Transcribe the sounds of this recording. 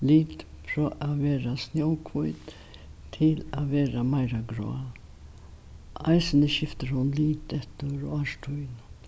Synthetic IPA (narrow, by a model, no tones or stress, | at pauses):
liːt̪ | fɾɔʔaʋeːɾasnjoʊkʰʋuʏt̪ | t̪ʰɪlaʋeːɾamaɪɾaɡɾo̰ːa | aɪsənəʃɪft̪əɾhʊnliːt̪ɛht̪əɾɔaʂʈʰuʏn